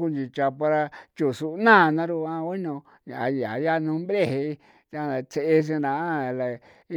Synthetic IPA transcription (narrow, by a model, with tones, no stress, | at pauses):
ku˦˧nd͡ʒi˨t͡ʃa˧pa˧ɾa˧t͡ʃu˨su˧˦nã˦˨˧nã˧˦ɾu˧ã˧wi˦nõ˧ | ɲã̰˨a̰˨˧ja̰˨ja˦nũ˧˦mbɾe˦˨he˧˦˧ | t̪a˧˨a˨t͡se˧e˧s̬ĩ˧ɾã˨a˦˨la˨ | i˦